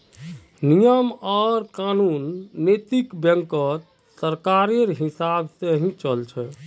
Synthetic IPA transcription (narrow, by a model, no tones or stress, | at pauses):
nijəmɔɾkanunːet̪ikbjəŋkət̪ | səɾkaɾieɾɦisabseɦĩt͡ʃəlt͡ʃʰɛ